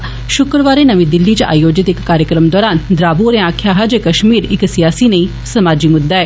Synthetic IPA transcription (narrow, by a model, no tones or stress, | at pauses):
ʃʊkɾəʋaːɾeːnəʋĩd̪ɪlːiːt͡ʃʔa̰ːjoːd͡ʒɪt̪ɪkːaːɾjəkɾəmd̪ɔːɾaːnd̪ɾaːbuɾẽãːkʰːjaːɦad͡ʒeːkəʃmiːɾɪksɪjaːsiːnəĩː | səmaːd͡ʒimʊd̪ːaːɛː